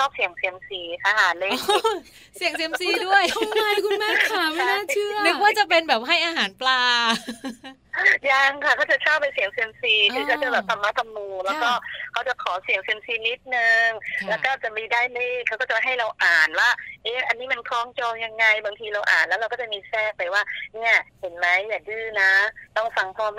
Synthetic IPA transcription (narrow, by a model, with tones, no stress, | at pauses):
t͡ɕʰɔː˥˩p̚si˨˩˦ŋsi˧˩əmsiː˨˦k̪ʰa˧˩ɦaː˨˩˦leː˧˩ | si˨˩˦əŋsi˨˩˦əmsiː˨˩˨du˥˩əja˥˩˧kʰu˧nmaː˥˩kʰa˥˩ma˥˩˧naː˥˩t͡ɕʰɯː˥˩nɯ˦˥kwaː˥˩t͡ɕa˨˩pe˧nbɛː˨˩p̚ɦa˥˩jʔaː˧ɦaː˩˦nplaː˧ | ja˧ŋkʰa˧˥˩kʰaː˥˩t͡ɕa˨˩t͡ɕʰaː˥˩wpːa˧jsi˨˩˦əŋsiː˧əmsiː˨˩kʔʰɯː˧kʰa˦˩t͡ɕa˨˩bɛː˨˩t̪ʰa˧mːaː˦˥˩t̪ʰa˧mːuː˧lɛː˦˥wkɔː˧˥˩kʰa˦˥wt͡ɕa˨˩kʰɔː˩˦si˨˩˦ŋse˧msiː˧ni˦˥t̪̚nɯ˧ŋlɛː˦˥kɔː˥˩t͡ɕa˨˩miː˧daː˥˩jleː˥˩kʰa˦˥wkɔː˥˩t͡ɕa˨˩ɦa˥˩jɾa˧wʔaː˨˩nwaː˥˩ʔeː˦˥ʔa˧nːiː˦˥ma˧nkʰɔː˧˩ŋt͡ɕoː˧ŋja˧ŋːa˧jba˧ŋt̪ʰiː˧ɾa˧wʔa̰ː˨˩nlɛ˦˥ɾa˧wkɔː˥˩t͡ɕa˨˩miː˧sɛː˥˩k̚pːa˧jwaː˥˩ni˦˥˩ɐhe˨˩˦nma˦˥jːaː˨˩dɯː˧˩na˦˥ɾa˧wfa˧ŋpʰɔː˧˩m